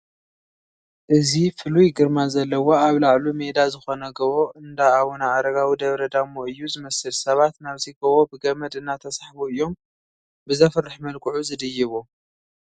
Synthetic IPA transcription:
ʔɨzifɨlujɡɨɾmazɐlːɐwo̞aβlaʕlume̞d̪azɨxo̞nɐɡɐβo̞ʔɨnd̪aaβonaʔːɾɐɡawid̪ɐβɾɐd̪amːoɨjːuzɨmɐsɨlsɐβat̪naβziɡɐβo̞bɨɡɐmɐd̪ɨnːat̪ʰɐsaħbuɨjːo̞m | bɨzɐfɨrːɨħmɐlkʼɨʕuzɨd̪ɨjːɨβu

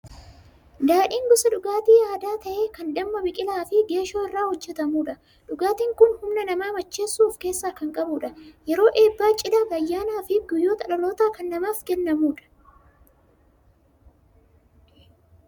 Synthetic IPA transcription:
d̪aːᶑiːŋɡʊsɐᶑʊɡaːt̪iːaːd̪aːt̪ɐʔe̞ːkɐnᶑɐmːɐbɪkʼɪlaːfɪɡe̞ːʃoːɪrːaːhɔd͡ʒːɛt̪ɐmuːᶑɐ | ᶑʊɡaːt̪iːŋkʊnhʊmnɐnɐmaːmɐt͡ʃːe̞ːsːuːfke̞ːsːaːkɐŋkʼɐbuːᶑɐjɛɾo̞ːʔe̞ːbːaːt͡ʃʼɪlaːɡɐjːaːnaːfɪɡʊjːo̞ːt̪ɐᶑɐlo̞ːt̪aːkɐnːɐmaːfɡɛnːɐmuːᶑɐ̥

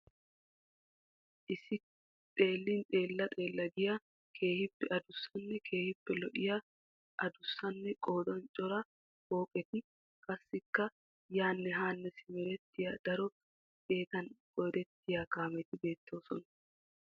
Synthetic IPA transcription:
ʔɪsɪ | t̪ʼe̞ːlːɪnt̪ʼe̞ːlːɐt̪ʼe̞ːlːɐɡɪja | kʰe̞ːhɪpːɛʔɐd̪ʊsːɐnːɛkʰe̞ːhɪpːɛlɔʔɪja | ʔɐd̪ʊsːɐnːɛkʼo̞ːd̪ɔnt͡ʃʼɔɾɐ | hoːpʼɛt̪ɪ | kʼɐsːɪkːɐ | jaːnːɛɦaːnːɛsɪmɛɾɛt̪ːɪjad̪ɐɾɔ | ke̞ːt̪ɐnkʼɔjd̪ɛt̪ːɪjakaːmɛt̪ɪbe̞ːt̪ːo̞ːsɔnɐ

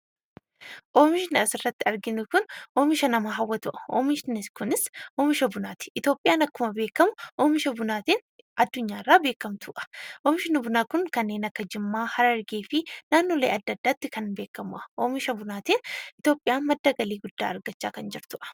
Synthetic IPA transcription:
ʔoːmɪʃɪnʔɐsɪrːɐt̪ːɪɐɾɡɪnʊkʊnʔoːmɪʃɐnɐmaːɦɐwːɐt̪ʊʔɐ̥o̰ːmɪʃɪnɪkʊnɪsʔoːmɪʃɐbʊnaːt̪ɪ̥ʔɪt̪jo̞ːpʼːɪjaːnɐkːʊmɐbe̞ːkːɐmʊʔoːmɪʃɐbʊnaːt̪iːn | ʔɐd̪ːʊɲːaːɪrːaːbe̞ːkːɐmt̪ʰʊʔɐ̥ʔoːmɪʃɪnɐbʊnaːkʊŋkɐnːe̞ːnɐkːɐd͡ʒɪmːaːhɐɾɐɐɾɡeːfɪnaːnːoːleːɐd̪ːɐd̪ːaːt̪ːɪkɐnbe̞ːkːɐmʊʔɐ̥ʔoːmɪʃɐbʊnaːt̪iːnɪt̪o̞ːpʼːɪjaːnmɐd̪ːɐɡɐliːɡʊd̪̥ːa̰ːɐɾɡɐt͡ʃːa̰ːkɐnd͡ʒɪɾt̪ʊʔɐ̥

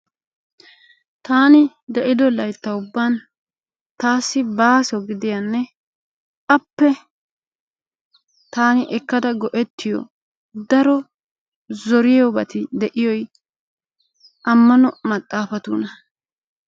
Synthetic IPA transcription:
t̪aːnɪ | d̪ɛʔɪd̪ɔlɐjt̪ːɐʊbːaːn | t̪aːsːɪbaːsɔɡɪd̪ɪjɐnːɛ | kʼɐpːɛ | t̪aːnɪʔɛkːɐd̪ɐɡɔʔɛt̪ːɪjɔ̰ | d̪ɐɾɔ | zɔɾɪjɔbɐt̪ɪd̪ɛʔɪjɔj | ɐmːɐnɔmɐt̪ʼːaːfɐt̪uːnɐ

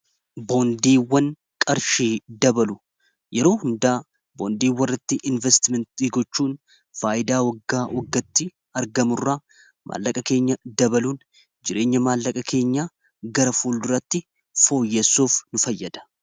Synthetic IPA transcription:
bo̞ːnd̪iːwːɐn | kʼɐɾʃiːd̪ɐbɐlʊ | jɛɾo̞ːhʊnd̪aː | bo̞ːnd̪iːwːɐrːɐt̪ːɪʔɪnvɛst̪ɪmɛnt̪iːɡɔt͡ʃːuːn | faːʔɪd̪aːwɐɡːaːwʔɔɡːɐt̪ːɪ | ɐɾɡɐmʊrːa | mʔa̰ːlːɐkʼɐke̞ːɲːɐd̪ɐbɐluːn | d͡ʒɪɾe̞ːɲːɐmaːlːɐkʼɐkʰe̞ːɲːaː | ɡɐɾɐfuːld̪ʊɾɐt̪ːɪ | fo̞ːjːesːuːfnʊfɐjːɐd̪̥ɐ̥

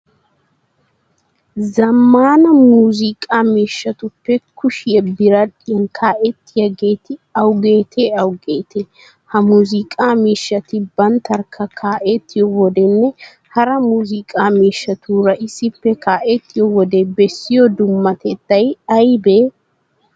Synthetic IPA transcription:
zɐmːaːnɐmuːzɪkʼaːmiːʃːɐt̪ʊpːɛkʰʊʃɪjɛbɪɾɐᶑɪjɛŋkʰaːʔɛt̪ːɪjɐɡeːt̪ɪɐwɡe̞ːt̪ʰeːɐwɡeːt̪ʰeː | hɐmuːzɪkʼaːmiːʃːɐt̪ɪbɐnt̪ɐɾkʰɐkʰaːʔet̪ːɪjɔwɔd̪ɛnːɛ | hɐɾɐmuːzɪkʼaːmiːʃːɐt̪uːɾɐʔɪsɪpːɛkaːʔɛt̪ːɪjɔwɔd̪eːbɛsːɪjɔd̪ʊmːɐt̪ɛt̪ːɐjɐjbeː

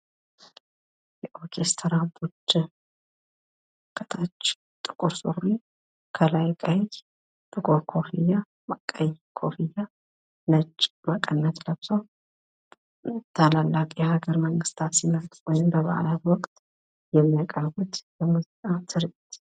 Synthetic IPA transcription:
jɛʔokʰest̪ʰəɾabut͡ʃːɨ | kʼət̪ʰat͡ʃː | t̪ʼɨ̥kʼuɾsuri | kʰəlajkʼəj | b̥ɨɡʼoɾkʰofija | makʼəjkʰofijːa | nət͡ʃʼːmakʼənːət̪ləβsəw | t̪ʰalalːakʼihaɡəɾməŋɡɨst̪ʰat̪simət̪ʼwɔjɪmbəβa̰ʔa̰lat̪wɔkʼt̪ʼ | jɛmːijakʼəɾɡut̪bɛmɨzʼat̪ʰɨɾet̪

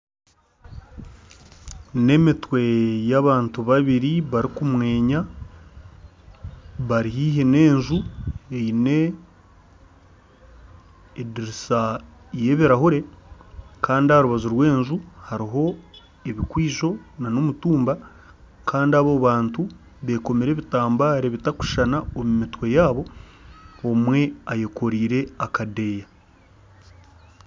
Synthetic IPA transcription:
ne̞mitwe̞jaβaːntuβaβiɾiβaɾikumwe̞ːɲa | βaɾiɦiːɦene̞ːɲʒue̞jine̞ | diɾisa | je̞βiɾahuɾe̞ | kaːndihaɾuβazuɾwe̞ːnʒuhaɾiɦo̞ | eβikwiːʒo̞nanomutuːmba | kaːndiaβoβaːntu | βe̞ko̞meɾe̞ːβitaːmbaːɾeβitaku̥ʃanaomumitwe̞jaːβo̞ː | mwe̞aje̞ko̞ɾiːɾe̞akade̞ːja

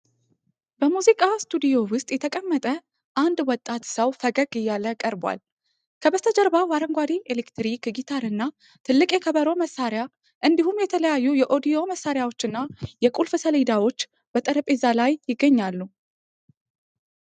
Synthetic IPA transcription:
bəmuzikʼast̪ʰud̪ijo̞wʊst̪ʼjɛt̪ʰəkʼəmːət̪ʼə | ʔand̪wɔt̪ʼːat̪səwfəɡəɡɨjːaləkʼəɾbwa̰l | kʰəbəst̪ʰəd͡ʒəɾbawaɾəŋɡʷad̪ielekt̪ɾikɡit̪ʰaɾɨnːa | t̪ʰɨlːɨkʼekʰəβəɾo̞məsːaɾja | ʔɨnd̪iɦumjɛt̪ʰələjajːujɛʔo̞d̪ijo̞məsːaɾjawo̞t͡ʃːɨnːajɛkʼulfɨsəled̪awo̞t͡ʃː | bət̪ʼəɾəpʼezalajjɪɡːəɲːalːu

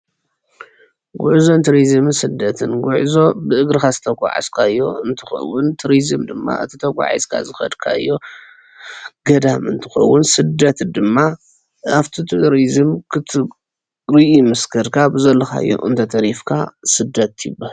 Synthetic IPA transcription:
ɡʷuʕzo̞nt̪ʰɨɾizɨmɨnsɨd̪ːɐt̪ʰɨnɡʷʊʕzo̞bɨʔɨɡɾɨxazɨt̪ʰɐɡʷʼa̰ʕa̰zkʰaɨjːo̞̰ɨnt̪ʰɨxɐ̰wːʊnt̪ʰɨɾizɨmd̪ɨmːa̰ʔɨ̰t̪ʰit̪ʰɐɡʷʼa̰ʕa̰zkʰa̰zɨxɐ̰d̪kʰa̰jːo̞ | ɡɐd̪amɨnt̪ʰɨ̥xɐwːʊnsɨd̪ɐt̪d̪ɨmːa | aft̪ʰit̪ʰɨɾizɨmkʰɨt̪ʰɨ | ɾɨʔimɨskʰɐɾkʰabɨzɐlːɐka̰jːo̰ʔɨnt̪ʰɐt̪ʰɐɾifkʰa̰sɨd̪ːɐt̪jɪbahl

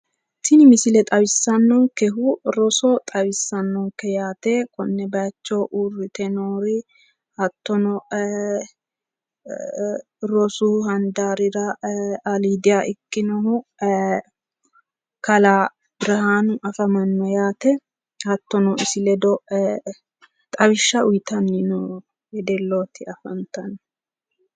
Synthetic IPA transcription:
sɪnɪmɪsɪlɛt̪ʼɐwɪsːɐnːɔŋkɛɦʊɾɔsɔt̪ʼɐwɪsːɐnːɔŋkɛjaːt̪ɛːkɔnːɛbɐt͡ʃːoːʔurːɪt̪ɛnoːɾɪ | hɐt̪ːɔnɔ | ɾɔsuhɐnd̪aːɾɪɾɐɐliːd̪ɪjaʔɪkːɪnɔhʊ | kɐlaː | bɪɾɐhaːnʊʔɐfɐmɐnːɔjaːt̪ɛ | hɐt̪ːɔnɔɪsɪlɛd̪ɔ | t̪ʼɐβɪʃːɐʊjt̪ʰɐnːɪno | jɛd̪ɛlːoːt̪ɪɐfɐnt̪ɐn

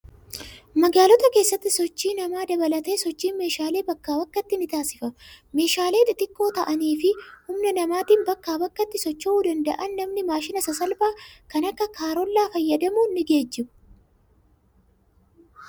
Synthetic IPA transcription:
mɐɡaːlɔt̪ɐke̞ːsːɐt̪ːɪsɔt͡ʃːiːnɐmaːd̪ɐbɐlɐt̪e̞ːsɔt͡ʃːiːnme̞ːʃaːle̞ːbɐkːaːbɐkːɐt̪ːɪnɪt̪aːsɪfɐme̞ːʃaːle̞ːt̪ʼɪt̪ɪkːo̞ːt̪ɐʔɐniːfɪhʊmnɐnɐmaːt̪iːnbɐkːaːbɐkːɐt̪ːɪsɔt͡ʃːɐuːd̪ɐnd̪ɐ̰ʔɐnːɐmnɪmaːʃɪnɐsɐsɐlbaːkɐnɐkːɐkʰaːɾɔlːaːfɐjːɐd̪ɐmuːnːɪɡe̞ːd͡ʒːɪbʊ̥

